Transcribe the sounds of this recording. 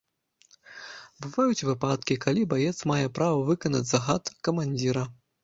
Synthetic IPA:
bɨvajut͡sʲvɨpat̪kʲikalʲibajɛt̪smajɛpɾavɐvɨkɐnɐ̰t͡sʲd͡zʲzɐɣat̪kɐmanʲd͡zʲiɾɐ

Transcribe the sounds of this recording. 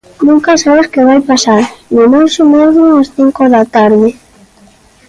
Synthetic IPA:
nũŋkasaβeskeβajpasaɾnʊnejsomeðɾunasθiŋkoðat̪aɾðɪ

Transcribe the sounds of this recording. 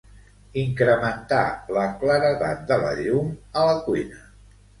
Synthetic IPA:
iŋkɾəmənt̪a̰ləkləɾəða̰t̪̚d̪ələ̰ʎumələkujnə

